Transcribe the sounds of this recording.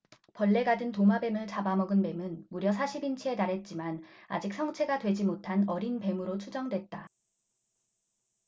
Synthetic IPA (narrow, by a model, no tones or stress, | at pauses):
pʌɭːe̞ɡadɯntomabe̞mɯɭt͡ɕabamʌɡɯnpe̞mɯnmuɾjʌsʰaɕʰibint͡ɕʰie̞taɾɦe̞t̚t͡ɕ͈imana̰d͡ʑik̚s͈ʰʌŋt͡ɕʰe̞ɡadwe̞d͡ʑimotʰanʌɾinpe̞mɯɾot͡ɕʰud͡ʑʌŋdwet̚t͈a